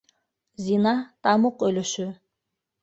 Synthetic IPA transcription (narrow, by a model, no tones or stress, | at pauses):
zʲinɑt̪ɑmuqøløʃy